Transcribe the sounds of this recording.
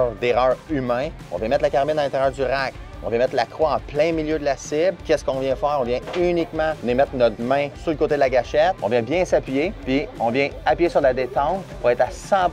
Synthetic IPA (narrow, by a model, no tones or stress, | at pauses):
ʁd̪eʁœːʁymɛ̃ɔ̰̃vjɛ̃mɛt̪lakaʁbɪnalɛ̃t̪eʁjœːʁd̪zyʁak | ɔ̃vjɛ̃mɛt̪lakʁwaɑ̃plɛ̃miljød̪əlasɪblkʲɛskɔ̃vjɛ̃fɛːʁɔ̃vjɛ̃ynikmɑ̃nemɛt̪χnɔt̪mɛ̃suləkoːt̪ed̪əlaɡʲaʃɛt̪̚ɔ̃vjɛ̃bjɛ̃sapɥijepiɔ̃vjɛ̃apɥjesyʁd̪lad̪et̪ɑ̃t̪puʁɛt̪asɑ̃